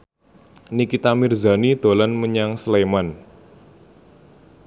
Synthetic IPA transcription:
nikit̪amirza̤nid̪̥o̤lanməɲaŋsleman

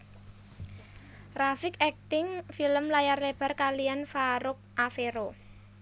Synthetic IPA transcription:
rafɪkɛk̚t̪ɪŋfiləmlajarleb̥a̤rkalijanfaɾʊk̚ʔafeɾo

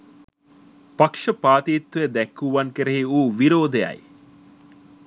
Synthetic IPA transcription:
pakʂəpaːt̪iːt̪ːʋeed̪ɛkːuʋankeɾeɦiuːʋiɾoːd̪eja̰j

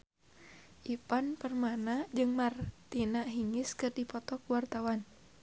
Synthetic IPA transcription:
ʔipanpərmanad͡ʒɨŋmart̪inaʔɦiŋɪskɨrdipɔt̪ɔkwart̪awan

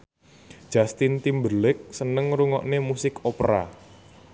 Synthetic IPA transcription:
d̥ʒ̥ast̪int̪imbəlɪk̚sənəŋɾuŋɔ̰ʔnemusɪkopɾa̰

